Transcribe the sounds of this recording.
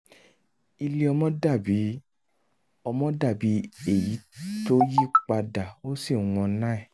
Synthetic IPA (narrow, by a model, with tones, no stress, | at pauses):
i˧le˧ɔ˧mɔ̃˦da˦˨bi˨˦ | ɔ˧mɔ̃˦da˦˨bi˨˦e˦˨ji˨˦to˦ji˦˨k͡pa˧da˨o˦si˦˨w̃ɔ̃˧˦nã˦ɛ˦˨